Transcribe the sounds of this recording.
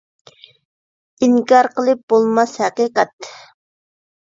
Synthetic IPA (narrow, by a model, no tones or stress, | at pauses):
iŋkɑɾqəlˠɨp̚bolˠmɑshɛqiːqɑt̪